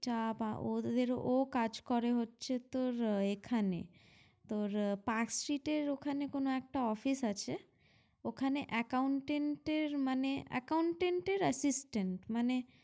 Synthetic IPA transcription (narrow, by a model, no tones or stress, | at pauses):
t͡ʃapaod̪eɾʔokad͡ʒkɔɾeɦotːʃʰet̪oɾekʰanḛ | t̪oɾpaksʈɾiʈeɾokʰanekonoɛk̚ʈaɔpʰisat͡ʃʰe | okʰaneʔəkauɳʈeɳʈeɾmaneʔə̰kauɳʈeɳʈeɾəsisʈeɳʈmane